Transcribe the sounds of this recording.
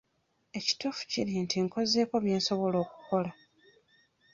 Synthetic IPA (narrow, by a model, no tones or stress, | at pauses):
e̞ci̥tufu̥ciɾintʰiŋko̞ze̞ːko̞βjeːnso̞βo̞lo̞ːku̥ko̞la